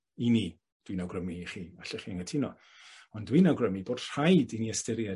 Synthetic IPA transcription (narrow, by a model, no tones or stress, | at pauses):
ini | d̥winawɡrəmiχiːaɬɛχiːəŋətʰɪnɔ̰ | ɔndwinawɡrəmiboːd̥r̥ajdiniəstɪɾja